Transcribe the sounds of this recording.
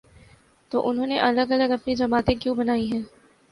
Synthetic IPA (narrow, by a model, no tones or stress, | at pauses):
t̪oːʔʊnɦõːneʔɐləɡɐləɡɐpnid͡ʒɐmaːt̪ẽkjũbɐnaːiɦɛ̃ː